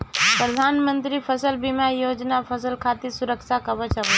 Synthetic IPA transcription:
pɾəd̪ʱanmənt̪ɾipʰəsəlbɪmajoːd͡ʒnapʰəsəlkʰat̪isʊɾəkʃakəbət͡ʃʰəʋə

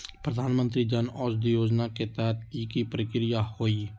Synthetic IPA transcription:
pɾəd̪ʱaːnmənt̪ɾiːd͡ʒaːnɔːd͡ʒd̪iːjoːd͡ʒnaːket̪aɦt̪kiːkipɾəkɾɪjaːhoːiː

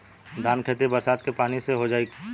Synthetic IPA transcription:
d̪ʱaːnkʰeːt̪̬ebɐɾsaːt̪kepaːniseɦod͡ʒaːikː

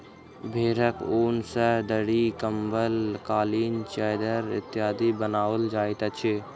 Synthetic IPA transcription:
bʱeːɾəkoːnsəd̪əɽikəmbəlkaːliːnt͡ʃɛːɪd̪əɾɪ̰t̪jaːd̪ibənaːʋəld͡ʒaːɪt̪ət͡ʃʰi

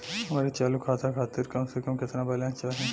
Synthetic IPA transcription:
ɦɐmaːɾit͡ʃaːlukʰaːt̪ʰakʰaːt̪ɪɾkɐmsekɐmkɪt̪nãbɐljãt͡ʃaːɦẽ

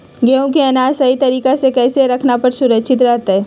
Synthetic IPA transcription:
ɡeːõkeɐnaːsɐit̪ɐɾiːkasekɛːseɾɐkʰnapɐɾsʊɾəkːʃʰɪt̪ɾɛɦt̪ɦɛː

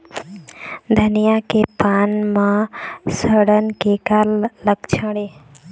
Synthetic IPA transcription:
d̪ʱənijakepanmãsəɽənkekalləkt͡ʃʰəɽe

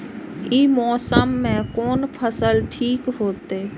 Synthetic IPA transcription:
iːmɔːsəmːẽkɔːnpʰəsəlʈʰiːkɦoːt̪eː

